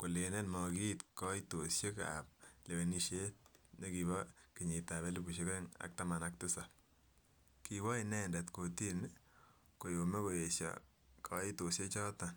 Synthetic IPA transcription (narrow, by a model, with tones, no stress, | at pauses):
ko˨le˨ne˦tmɔki˦tkɔito˨sje˦ka̰p̚le˨we˨ni˦ʃe˦t̚ɲo˦ki˨ba˦ki˨ɲi˨ta˨βe˦lu˦bu˨ʃ̬eke˦ŋa̰˨k̚ta˦ma˨nak̚tɪ˦sa˨ | kiwɔ˦inɛ˦ndɛ˨tko˨ti˦n | ko˨jo˨me˦ko˨e˨sja̰ | kʰai˦to˨sje˦t͡ʃɔ˦ta˨n